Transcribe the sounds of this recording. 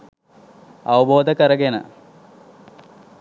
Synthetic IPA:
ɐwɐboːd̪ɐkːɐɾɐɡenɐ̰

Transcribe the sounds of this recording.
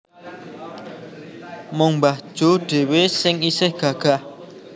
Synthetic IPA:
mʊŋmbahd̥ʒ̥oɖ̥e̤wesɪŋisɪhɡ̥ä̤ɡ̥a̤h

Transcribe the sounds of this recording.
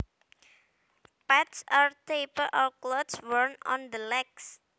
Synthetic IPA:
pɛtsaɹtepəʔɔklotswəɹnɔ̰̃nd̪əlɛks

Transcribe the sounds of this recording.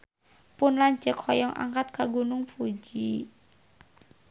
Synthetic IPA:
pʊnlaɲd͡ʒəkʰɔjɔŋʔa̰ŋkat̪̚kaɡunʊŋpʰud͡ʒi

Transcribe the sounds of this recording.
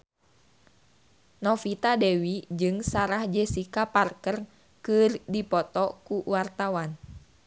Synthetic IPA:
nɔfit̪adɛwid͡ʒɨŋsaɾahd͡ʒɛsikaparkər | kɨrdipɔt̪ɔkuwart̪awan

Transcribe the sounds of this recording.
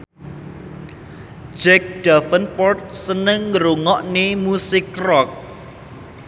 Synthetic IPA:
d͡ʒɛk̚ɖ̪̥afənpɔrt̪̚sənəŋːɾuŋɔʔnemusɪkːrɔk̚

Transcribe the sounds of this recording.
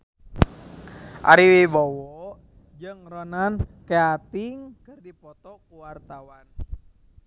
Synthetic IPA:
ʔa̰ɾiwibɔwɔʔ | d͡ʒɨŋrɔnankeat̪iŋkɨrdipɔt̪ɔkuwart̪awan

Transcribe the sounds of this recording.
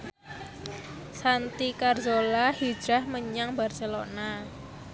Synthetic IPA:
sant̪ikarzolahi̥d͡ʒ̥ɾahməɲaŋbarselona

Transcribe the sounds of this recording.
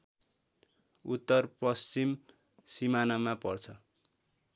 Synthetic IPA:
ut̪ːʌrpʌst͡sim | simanamapʌrt͡sʰʌ

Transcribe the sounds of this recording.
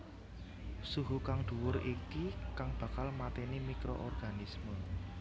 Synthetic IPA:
suɦukaŋd̪̥ṳwʊɾikikaŋb̥ä̤kalmat̪enimikɾo̰ʔɔrɡ̥a̤nismə

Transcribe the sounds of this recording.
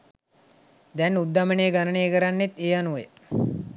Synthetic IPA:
d̪ɛnːud̪ːaməneːɡanəneːkəɾanːet̪eːanuʋe

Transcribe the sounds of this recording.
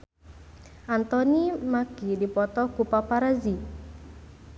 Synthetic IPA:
ʔant̪ɔnimaɡidipɔt̪ɔkupapaɾazi

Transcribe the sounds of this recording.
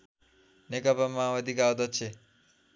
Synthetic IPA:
nekʌpamawʌd̪ikawd̪ʌt͡ʃʰe

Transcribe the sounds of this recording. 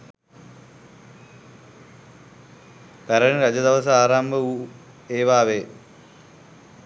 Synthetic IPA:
pɐɾɐɳɾɐd͡ʑɐd̪ɐʋɐsɐaːɾaːmbɐu | eːʋaːʋe

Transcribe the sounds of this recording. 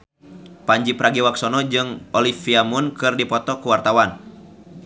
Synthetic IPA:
paɲd͡ʒipɾaɡiwaksɔnɔd͡ʒɨŋɔlifiamunkɨrdipɔt̪ɔkuwart̪awan

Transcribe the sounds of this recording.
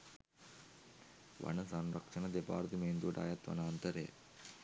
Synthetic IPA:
ʋɐ̰nɐsɐnɾɐkʂɐnɐd̪epaːɾd̪imeːnd̪uʈa̰ːjɐt̪ʋɐ̰naːnt̪ɐɾejə̰

